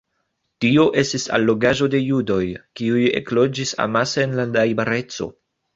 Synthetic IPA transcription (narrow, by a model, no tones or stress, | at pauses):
tio̞ʔe̞stisa̰lːo̞ɡaʒo̞de̞judo̞jkiuje̞̰klo̞d͡ʒisa̰maseːnladajbaɾe̞t͡so̞̰